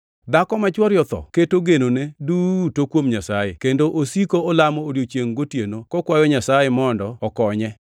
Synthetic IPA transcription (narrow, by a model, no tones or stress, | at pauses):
d̪akɔmat͡ʃwɔɾjɔt̪ɔ̰ketoɡenonedutokwomɲasajekendoʔosikoɔlamɔːɾjot͡ʃjeŋɡotjenokɔkwajɔɲasajemɔndɔɔkɔɲɛ